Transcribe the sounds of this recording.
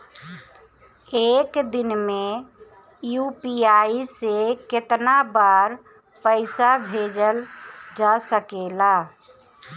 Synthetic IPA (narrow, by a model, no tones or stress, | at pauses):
eːkd̪ɪnmẽ | juːpiaːisekɪt̪nabaːɾ | pəɪsabʱeːd͡ʒəld͡ʒasəkeːlaː